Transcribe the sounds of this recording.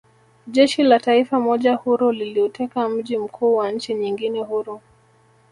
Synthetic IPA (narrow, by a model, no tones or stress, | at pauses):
ʄɛʃilataifamɔʄahuɾuliliɔtɛkam̩ʄim̩kʰuːwaɲ̩t͡ʃiɲiŋɡinɛɦuɾu